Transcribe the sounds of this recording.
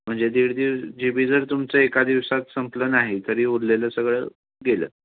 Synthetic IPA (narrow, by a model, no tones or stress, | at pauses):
m̤əɳd͡zed̪iɽd̪iʋd͡ʑibiːd͡zəɾt̪umt͡səekad̪iʋsat̪səmplənaɦit̪əɾiːuɾleləːsəɡɭə | ɡelə̰ː